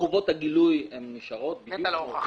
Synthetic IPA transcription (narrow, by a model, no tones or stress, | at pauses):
uvo̞t̪haɡilujemniʃaʁo̞t̪̚bijl